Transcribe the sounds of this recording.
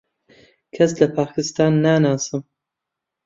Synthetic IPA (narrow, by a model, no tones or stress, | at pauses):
kʰɐslɐpʰaːkʰɨst̪aːnːaːnaːsɨm